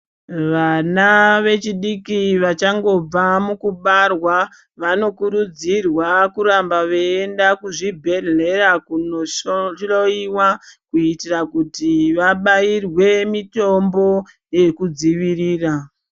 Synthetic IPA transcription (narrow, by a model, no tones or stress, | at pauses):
ʋanaʋe̞t͡ʃiɗikiʋat͡ʃaŋɡo̞b͡vamukuɓarwa | ʋano̞kuɾud͡zirwakuɾambaʋeendakuʐibʱe̞ɮe̞ɾaku | iloiwakuitirakutiʋaɓairwe̞mito̞mbo̞ | je̞kud͡ziʋiriːra